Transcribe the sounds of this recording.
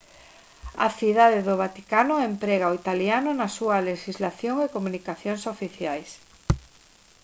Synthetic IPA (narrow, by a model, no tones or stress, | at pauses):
ɐ̰θiðaðeðʊβat̪ikanʊempɾɛɣaoit̪aljanʊnɐsuɐleʃizlaθjoŋekomunikaθjoŋsofiθjajs